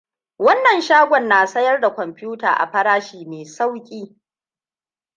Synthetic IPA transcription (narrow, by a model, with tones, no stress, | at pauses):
wɐ˦nːɐ˨nʃaː˦ɡʷɔ˨nːaː˨sɐ˦jɐ˦rda˨kʷɔ˨mpʲɪ˦juː˦ta̰ː˨ʔa̰˨ɸɐ˦ɽaː˦ʃiː˨meː˨sa˦wkʲʼiː˦